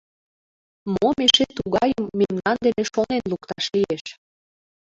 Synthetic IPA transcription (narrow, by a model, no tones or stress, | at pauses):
momeʃet̪uɣɑjəmːemnɑnd̪eneʃonenlukt̪ɑʃlieʃ